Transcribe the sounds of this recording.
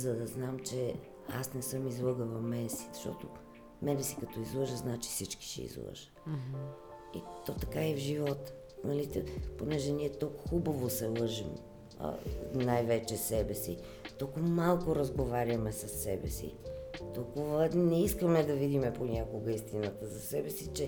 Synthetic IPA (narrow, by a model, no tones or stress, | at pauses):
zɐd̪ɐznamt͡ʃɛ | a̰snɛsɤmizlˠɤɡəvɐmɛnɛsi̥ɐʃt̪ɔ̰t̪o | mɛnɛsikɐt̪ɔizlˠɤʒəznat͡ʃi̥fsit͡ʃki̥ʃɛ̰ḭzlˠə̰ʒə̥ | ḭt̪ɔt̪ɐkaɛvʒivɔt̪ | nɐlit̪ponɛʒɛniɛt̪olˠkxubəvosɛlˠɤʒim | ə̰najvɛt͡ʃɛsɛbɛsḭ | t̪ɔlˠkʊvəmalˠkʊɾɐzɡovaɾʲjɐmɛsɐsːɛbɛ̰sḭt̪ɔlˠkʊvənɛiskəmɛd̪ɐvid̪imɛponʲakoɡəist̪inət̪əzɐsɛbɛsit͡ʃɛ